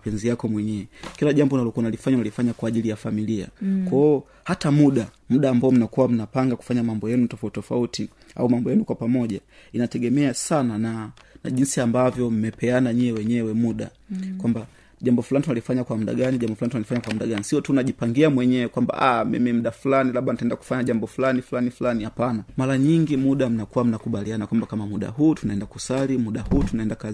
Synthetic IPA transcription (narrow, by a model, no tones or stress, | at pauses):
pɛnzijakɔmwɛɲɛwɛkilaʄambɔnalɔkuanalifaɲanalifaɲakwaːʄilijafamilia̰kwaɔ | hatamuɗa | m̩ɗaːmbaɔm̩nakuwam̩napaŋɡaku̥faɲamambɔjɛnutɔfautɔfauti | a̰umambɔjɛnukwapamɔʄainatɛɡɛmɛasananana̰ʄinsiambavjɔm̩mɛpɛanaɲiɛwɛɲɛwɛmuɗa̰ | kwamba | ʄambɔfulanitunalifaɲakwamuɗa̰ɡaniʄambɔfulanitunalifaɲakwamuɗaɡanisiɔtunaʄipaŋɡiamwɛɲɛwɛkwamba̰ʔamḭmim̩ɗafulanilaɓanatɛndaku̥faɲaʄambɔfulaniflanifulanihapanamaɾaɲiŋɡimuɗam̩nakuwam̩nakuɓalianakwambakamamuɗa̰ɦuːtunaɛndaku̥salimuɗahuːtunaɛndaka